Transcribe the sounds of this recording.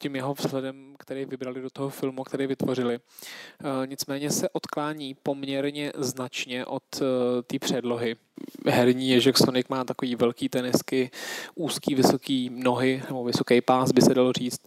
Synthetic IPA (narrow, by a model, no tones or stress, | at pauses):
cimjɛɦo̞vz̥ɦlɛdɛmkt̪ɛɾɛːvɪbɾalɪdo̞t̪oɦofɪlmukt̪ɛɾɛːvɪt̪vo̞rɪlɪ | ɲɪt͡smɛːɲɛsɛʔo̞t̪klaːɲiːpo̞mɲɛɾɲɛznat͡ʃɲɛʔo̞t̪t̪ːiːpr̝̥ɛdlo̞ɦɪ | ɦɛɾɲiːjɛʒɛksonɪkmaːt̪ako̞viːvɛlkiːt̪ɛnɪskɪʔuːskiːvɪso̞kiːno̞ɦɪnɛbo̞vɪso̞kɛjpaːsbɪsɛdalo̞r̝iːt͡st̪̚